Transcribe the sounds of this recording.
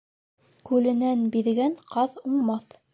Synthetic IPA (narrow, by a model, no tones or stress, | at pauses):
kʉlɘ̆nænbiðɡæɴqɑðuɴmɑθ